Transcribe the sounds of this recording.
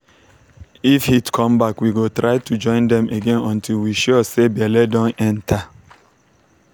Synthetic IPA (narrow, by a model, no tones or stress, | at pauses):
ifhitkʰɔ̃mbakwiɡotɾaɪtud͡ʒɔ̃ɪ̃ndɛ̃mʔeɡẽnɔ̃ntʰilwiʃɔɔsebiɛlɛdɔ̃nɛ̃ntʰa